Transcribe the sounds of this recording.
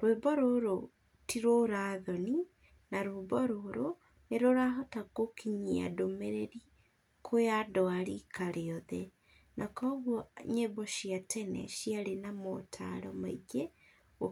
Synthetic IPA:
ɾwebɔɾoɾo | tiɾoɾaðɔni | naɾobɔɾoɾo | neɾoɾaɦɔtakokʰiɲia̰domeɾeɾi | kʰojadɔaɾikʰaɾeɔðɛ | nʔakɔɣwɔɲebɔʃiatʰɛnɛ̰ʃiaɾenamotʰa̰ɾɔmaiɡe | o

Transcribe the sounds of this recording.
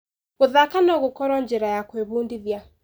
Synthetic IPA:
ɣoðakanɔɣokɔɾɔɲd͡ʒɛɾajakweβuːndiðja

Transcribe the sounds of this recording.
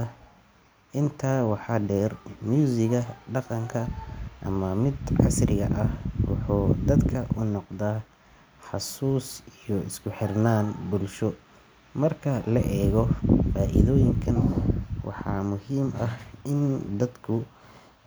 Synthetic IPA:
ʔɪnt̪ʰaːwɑħɑːɖɛːrmjuːsɪɣɐɖɑqɑŋkʰɐʔɐ̰mɐmɪd̪ʕɑ̰srɪɣɐ̰ʔɐhwʊ̰ħuːd̪ɐd̪kʰɐʔʊnɔqðaː | ħɑsuːsijɔɪskʰʊħɪrnaːnbʊlʃɔ | mɐrkʰɐlɐʔɛːɣɔfaːʔɪ̰ðɔːjɪŋkʰɐnwʔɑ̰ħɑ̰ːmʊhiːmɐhɪnd̪ɐd̪kʰʊ

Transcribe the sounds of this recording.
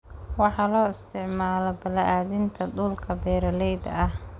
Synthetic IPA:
wɑħɑːlɔːɪst̪ʰɪʕmaːlɔbɐlɐʔaːðɪnt̪ʰɐɖʊlkʰɐbɛːɾɐlɛjd̪ɐ̰ɐh

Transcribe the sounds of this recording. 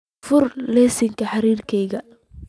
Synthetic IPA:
fʊrlɛːsɪŋkʰɐħɑɾiːrkʰɛjɣɐ

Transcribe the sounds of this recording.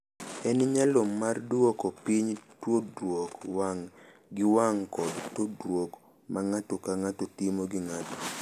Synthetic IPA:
ɛnɪɲalomːardwokopiɲtwodwokaŋ | ɡɪwaŋkɔdtodɾwok | mʔaŋatokaŋatotimoɡɪŋato̥

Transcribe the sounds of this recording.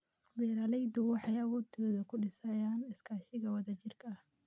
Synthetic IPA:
bɛːɾɐlɛjd̪ʊwɑħɑjɐwɔːt̪ʰɔːðɐkʰʊɖɪsɐjaːnɪskʰaːʃɪɣɐwɑðɐt͡ʃɪrkʰɐɐh

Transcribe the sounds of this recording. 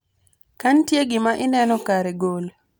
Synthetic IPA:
kantjeɡɪmaʔɪnɛnɔkaɾɛɡol

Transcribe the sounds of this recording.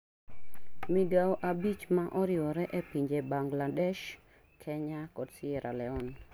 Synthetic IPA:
miɡawʔabit͡ʃmaʔɔɾɪɔɾɛʔɛpiɲd͡ʒebaŋɡladɛʃ | kʰɛɲakɔdsɪɛɾʔalɛɔn

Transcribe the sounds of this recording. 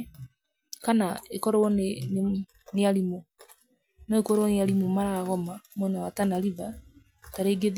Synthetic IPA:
kanaekɔɾɔnn | neaɾimo | nɔekɔɾowɔneaɾimomaɾaɣɔmamwɛnawatanaɾiva | taɾeɡeð

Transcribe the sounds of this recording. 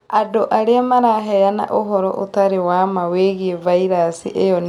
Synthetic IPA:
adoʔaɾeamaɾaɦɛjana̰ʔoɦɔɾɔ̰ʔotaɾewamaweɣiɛvaiɾasḭʔejɔn

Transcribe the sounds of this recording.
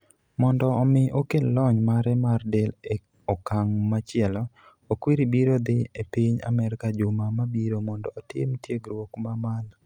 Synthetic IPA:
mɔndɔːmɪʔokellɔɲmaɾɛmardɛle | ɔkaŋmat͡ʃɪɛlɔ | okwiɾibiɾod̪ɪepiɲa̰mɛɾkad͡ʒʊmamabiɾomɔndɔːtɪ̰mtjeɡɾwokmamal

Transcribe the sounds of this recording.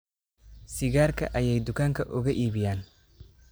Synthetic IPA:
sɪɣaːrkʰɐ̰ʔɐjɛjd̪ʊkʰaːŋkʰɐʔʊɣɐʔiːβɪjaːn

